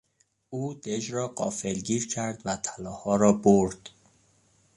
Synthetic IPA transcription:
ʔuːd̪̥ed͡ʒɾɒːɢɒːfelɟiːɾcʰæɾd̪væt̪ʰælɒːhɒːɾɒːboɾd̪̥

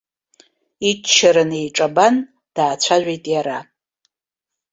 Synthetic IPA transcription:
it͡ʃt͡ʃːaɾɨne̞jʈ͡ʂʼaban | d̥aːt͡ɕʷʰaʒᶣʷejtʼjaɾa

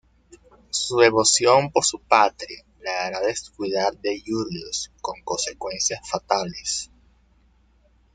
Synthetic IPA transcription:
suðe̞βo̞sjo̞mpoɾsupat̪ɾia | leaɾaðeskwiðaɾðe̞ʝuljosko̞ŋko̞nse̞kwe̞nsjasfat̪ales

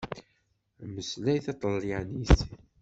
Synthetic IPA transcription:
məslæjθɑt̪ˤəlːiʕnis

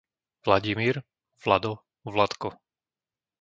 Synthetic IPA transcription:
vlaɟimiːɾ | vlad̪ɔ | vlat̪kɔ

